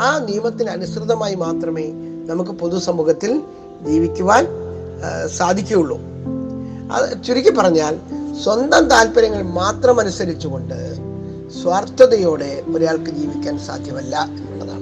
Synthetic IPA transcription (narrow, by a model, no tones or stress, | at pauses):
aːnijɐmɐt̪ːinɐnusrɨðɐmaːjimaːt̪rɐme̞ː | nɐmuk̬ːɨpo̞ðusɐmːuːɣɐt̪ːil | d͡ʑiːʋikʲːuʋaːn | saːd̪ʱikʲːɐɐuɭːṵ | ɐ̰t͡ɕuɾikʲːɨpɐrɐɲːaːlswɐnd̪ɐmt̪aːlpɐɾɐŋːɐɭmaːt̪rɐmɐnusɐɾit͡ɕːuɣo̞ɳɖɨ | swaːrt̪ɐðɐjo̞ːɽe̞puɾɐjaːɭkɨd͡ʑiːʋikʲːaːnsa̰ːd̪ʱjɐmɐlːɐe̞nːuɭːɐða̰ːɳɨ